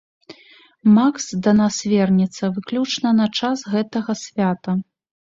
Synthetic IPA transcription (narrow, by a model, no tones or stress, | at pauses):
maksd̪ɐnasvʲɛrnʲɛt̪sːɐvɨklʲut͡ʂnɐnɐt͡ʂasɣɛt̪ɐɣɐsʲvʲat̪ɐ